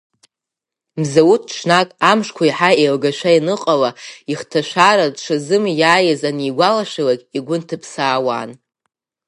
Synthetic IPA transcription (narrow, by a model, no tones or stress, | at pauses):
mzawut̚ʰʈ͡ʂʰnakʼamʂkʷʰaiħaelɡaʃʷainɨqʼalaiχtʰaʃʷaɾadʂʷʰazɨmjaːjɪzaniɡʷalaʃʷalakʲʼiɡʷʊntʰɨpʰsaːwa̰ːn